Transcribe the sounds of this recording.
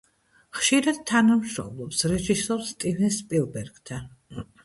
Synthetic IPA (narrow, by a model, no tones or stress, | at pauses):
χʃiɾad̪̥̚t̪ʰanamʃɾɔ̰mlˠɔpsɾɛʒisɔɾst̪ʼivɛnspʼilˠbɛɾɡ̥t̪ʰa